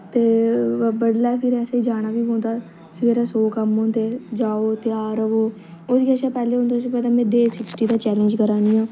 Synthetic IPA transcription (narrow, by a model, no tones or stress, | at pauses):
t̪eːbəɽlaːpʰɪɾɛːseːid͡ʒaːɽ̃aːʋiːɦõːnd̪aː | sʋeːɾaːsoːkəmɦõːnt̪eːd͡ʒaːoːt̪ɪjaːɾəʋoː | oːd̪iːəʃaːpɛːleːõːnd̪asĩːpɛːd̪aːmɛ̃ːd̪eːsɪksʈiːd̪aːt͡ʃɛːlẽːɲd͡ʒkəɾaːniːãː